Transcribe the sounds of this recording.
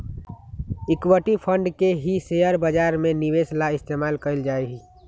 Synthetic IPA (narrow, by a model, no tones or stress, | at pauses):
ɪkwəʈipʰə̃ɳɖkeɦisejəɾbəd͡ʒaːɾmẽniʋeslaɪst̪eːmaːlkəɪld͡ʒaːeɦi